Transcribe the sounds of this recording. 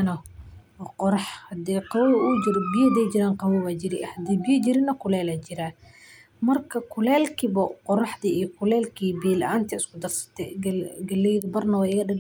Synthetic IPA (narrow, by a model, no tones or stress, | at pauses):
nɐ | qɔɾɑħhɐd̪ɛqɑwwʊd͡ʒɪɾbɪjɐd̪ɛjt͡ʃɪɾaːqɑwɐwaːd͡ʒɪɾɪhɐd̪ɛːbɪjɐd͡ʒɪɾɪnɐkʰʊlɛːlaːt͡ʃɪɾaː | mɐrkʰɐkʰʊlɛːlkʰibɐqɔɾɑħd̪iːijɔkʰʊlɛːlkʰiːbiːlʔaːnt̪ʰɐɪskʊd̪ɐrsɐ̥t̪ʰɛ̰ɡɡɐlɛjðʊbɐrnɐwɛɪɣɐɗɐl